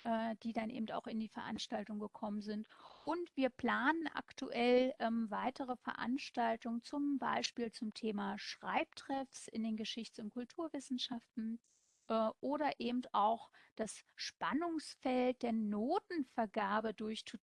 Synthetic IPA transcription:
ʔɛːd̥iːdanʔḛːbm̩ta̰ʊxɪndiːfɛɐʔa̰nʃtaltʊŋɡəkʰɔmənzɪntʔʊntv̥iːɐpl̥aːnənʔa̰ktuʔɛlʔɛmvaɪtʰəʁəfɛɐʔa̰nʃtaltʊŋənt͡sʊmba̰ɪʃpiːlt͡sʊmtʰeːmaːʃʁ̥a̰ɪp̚tʁ̥ɛfsʔɪ̰ndeːnɡəʃɪçtʊnt̚kʰʊltʰuːɐvɪsn̩ʃaftn̩ | ʔɛːʔoːɾɐʔeːbm̩taʊxd̥asʃpanʊŋsfɛlt̚d̥eːɐnoːtn̩fɛɐɡaːɐbədʊɐçt

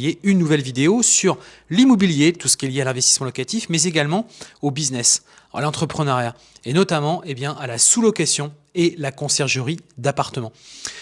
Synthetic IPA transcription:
jeynːuvɛlvid̪eosyʁ | limɔbiljet̪usə̥kʲiɛljealɛ̃vɛst̪i̥smɑ̃lɔkat̪ifmɛzeɡalmɑ̃obiznɛs | a̰lɑ̃t̪χəpχənaʁja | enɔt̪amɑ̃ʔebjɛ̃ʔalasulɔkasjɔ̃ | elakɔ̃sɛʁʒəʁid̪apaʁt̪əmɑ̃

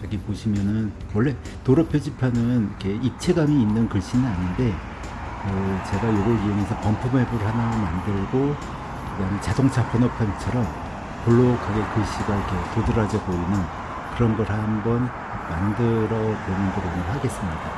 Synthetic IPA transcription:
aɡepoɕʰimjʌnɯn | wʌɭːe̞ | toɾʌpʰjod͡ʑipʰanɯnikʰe̞ip̚t͡ɕʰe̞ɡamiːnːɯnkɯɭɕ͈inɯnaɲinde̞ | kɯt͡ɕe̞ɡajoɡʌɭioŋesʰʌpʌmpʰume̞boɾɯɭɦanamandɯɭɡo | kɯdamet͡ɕadoŋt͡ɕʰapʌnʌpʰʌnt͡ɕʰʌɾʌm | poɭːokʰaɡekɯɭɕ͈iɡaikʰe̞todɯɾad͡ʑʌɡoinːɯn | kɯɾʌnɡʌɾhambʌn | mandɯɾʌponɯnɡʌɾonɯɭhaɡe̞s͈ɯmɲida

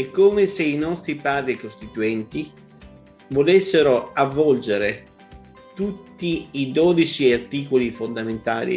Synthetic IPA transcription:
ɛkːoːmeseinɔst̪ɾipaːd̪ɾikost̪it̪uɛnt̪i | volesːeɾoavːɔld͡ʒeɾe | t̪ut̪ːiːd̪oːd̪it͡ʃiart̪iːkolifond̪ament̪aːlḭ

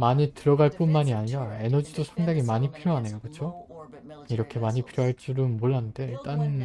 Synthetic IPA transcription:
maɲitɯɾʌɡaɭp͈unmaɲiaɲiɾae̞nʌd͡ʑidosʰaŋdaŋimaɲipʰiɾjoɦanejokɯt͡ɕʰo | iɾʌkʰe̞maɲipʰiɾjoɦaɭt͡ɕ͈uɾɯnmoɭːanːɯnde̞t͈an

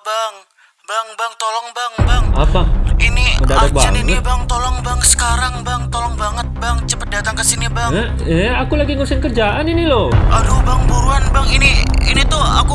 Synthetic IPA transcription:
baŋ | baŋbaŋt̪olɔŋbaŋbaŋapainiməndaadak̚baaŋniŋnəibaŋt̪olɔŋbaŋsə̥kaɾaŋbaŋt̪olɔŋbaŋət̪̚baŋt͡ʃəpət̪̚dat̪aŋkəsinibaŋ | ɛakulaɡiŋəɾsɪnkərd͡ʒaʔaniniloadobaŋbuɾuanbaŋiniinit̪ʊa̰ku

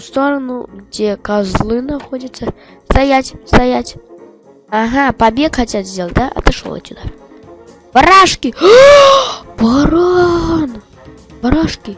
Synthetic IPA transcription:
st̪oɾɐnuɡd͡zʲekazlˠɨnaxɔdʲɐt̪sːɐst̪ajat͡sʲst̪ajat͡sʲ | aɦapabʲekxat͡sʲat̪ʲzʲd̪ʲelˠt̪̚ʲd̪aʔɐ̰t̪ɨʂo̰tʲːud̪a̰ | bɐɾaʂkʲi | baɾan | bɐɾaʂkʲi

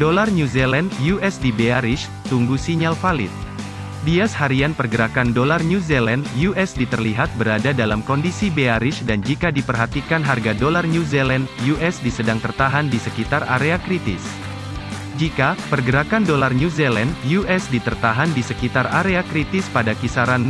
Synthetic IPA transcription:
dolarnuzelɛndjuʔɛsdibeaɾɪʃ | t̪uŋɡusiɲalfalɪ̰t̪̚ | biashaɾianpərɡəɾakandolarɲuzelɛnjuʔɛsdit̪ərliɦat̪̚bəɾadadalamkɔndisibeaɾɪʃdand͡ʒikadipərɦat̪ikanɦarɡadolarnuzelɛnjuʔɛsdisədaŋt̪ərt̪aɦandisəkit̪ara̰ɾeakɾit̪ɪ̰s | d͡ʒikapərɡəɾakandolarnuzelandjuʔɛsdit̪ərt̪aɦandisəkit̪araɾeakɾit̪ɪspadakisaɾan

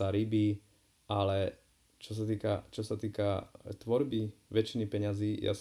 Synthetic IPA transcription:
aɾibiː | ʔalɛ | t͡ʃɔs̬at̪iːka̰t͡ʃɔsat̪iːkat̪ʋɔɾbiʋɛt͡ʃinipɛɲaziːja̰s

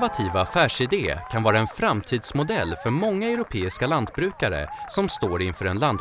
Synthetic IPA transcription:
vat̪ʰiːvaːfæːʂɪd̪eːkʰanvɑːɾaɛnfɾamt̪ʰiːd̪smʊd̪ɛlːfœɾmɔŋːaɛɾʊpʰeːɪskaland̪̚bɾʉ̟ːkaɾə̰sɔmst̪oːɾɪnfœːɾɛnland̪

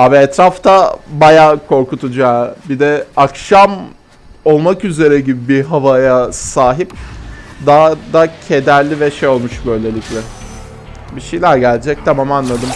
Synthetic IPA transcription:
aːbiɛt̪ɾaft̪ʰabajaːkʰo̞ɾkut̪ʰud͡ʒaːbid̪ɛakʃam | o̞lˠmakyze̞ɾɛɟibibiɦavajasaːɦip̚d̪ad̪acʰe̞d̪æɾlʲivɛʃejo̞lˠmuʃbø̞jlʲe̞lʲiclʲɛ | biʃejlʲæɾɟælʲd͡ʒɛc̚t̪ʰamamanlˠad̪ɯm

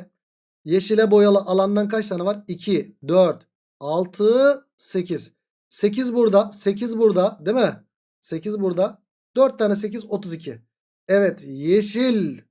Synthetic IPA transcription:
je̞ʃilʲɛbo̞jalˠɯʔalˠand̪ankʰat͡ʃt̪anavaɾicʰid̪øɾt̪ | alˠt̪ʰɯ | secʰiz̥ | se̞cʰizbuɾd̪ase̞cʰizbuɾd̪ad̪emɛ | se̞cizbuɾd̪a | d̪̥øɾt̪ʰːaːnɛs̬e̞c̬izo̞t̪ʰuzicʰi | ɛvɛt̪jeʃilʲ

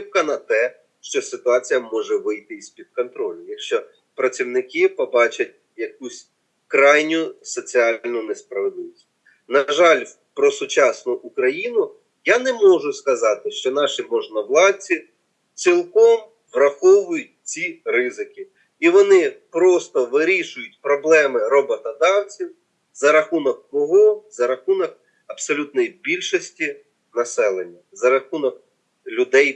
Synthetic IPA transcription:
p̚kɐnɐt̪ɛ | ʃt͡ʃɔsɪt̪ʊɑt͡sʲijɐmɔʒɛʋɪjt̪ɪispʲid̪̚kɔnt̪ɾɔlʲʊjɐkʃt͡ʃɔ | pɾɐt͡sʲiwnɪkɪpɔbɑt͡ʃɐt̚ʲ | jɐkusʲ | kɾɑjnʲʊsɔt͡sʲiɑllʲnʊnɛspɾɐʋed̪lˠɪʋɔsʲ | nɐʒɑlʲ | pɾɔsʊt͡ʃɑsnʊʔʊkɾɐjinʊ | janɛmɔʒʊskɐzɑt̪ɪʃt͡ʃɔnɑʃimɔʒnɐwlˠɑt͡sʲi | t͡sʲilˠkɔm | ʋrɐxɔʋʊjʊt̚ʲt͡sʲiɾɪzɪkɪ | iʋɔnɪpɾɔst̪ɔʋɪɾʲiʃʊjʊtʲpɾɔblˠɛmɪɾɔbɔt̪ɔd̪ɑwt͡sʲiw | zɐɾɐxunɔkkɔɦɔzɐɾɐxunɔk̚ | ɐbsɔlʲut̪nɔjibʲilʲʃɔsʲtʲi | nɐsɛlˠenʲːɐzɐɾɐxunɔk̚ | lʲʊd̪ɛj

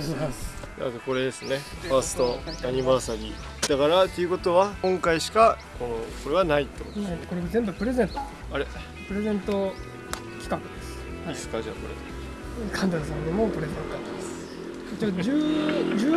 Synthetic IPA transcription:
a̰keko̞ɾe̞d̪e̞sɨne̞paːsɨ̥t̪oaɲ̟ibaːsaɾʲi | d̪̥akaɾat̪ːeɯ̟ko̞t̪o̞βakõ̞ŋkaiɕi̥kako̞noko̞ɾe̞ɡanait̪ːomokoɾezẽ̞mbɯ̟pɯɾe̞zẽ̞nt̪o | aɾe | pɯ̟ɾe̞zẽ̞nt̪o̞ | kʲi̥kakɯ̟d̪esɨ̥ | isɨ̥kad͡ʑa̰ko̞ɾea | kʰãnd̪as̬ãnd̪emoko̞ɾebãkat̪ːemasɨ̥ | t͡ɕod͡ʑɨːd͡ʑɨː

